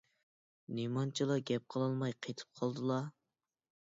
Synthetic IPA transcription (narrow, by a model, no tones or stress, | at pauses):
nimɑnt͡ʃʰilˠɑɡʲɛp̚qʰəlˠɑlˠmɑjqʰet̪ʰɨ̥p̚qʰɑlˠd̪ɨlˠɑ